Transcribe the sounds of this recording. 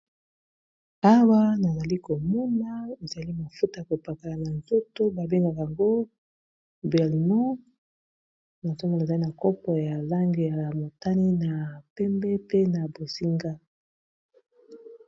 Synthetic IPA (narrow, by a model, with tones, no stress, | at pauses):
a˦wa˦na˨za˨li˦ko˨mu˦na˦e˨za˨li˦ma˨fu˦ta˨ko˨pa˨ka˨la˨na˨nzo˦to˦ba˨be˦ŋɡa˨ja˨ŋɡo˦ | bɛ˨lmɔ˦ | na˨to˦ŋɡo˨na˨za˨li˦na˨kɔ˦pɔ˨ja˨la˦ŋɡe˨ja˨mo˨ta˦ni˦na˨pɛ˦mbɛ˦pe˦na˨bo˨si˦ŋɡa˦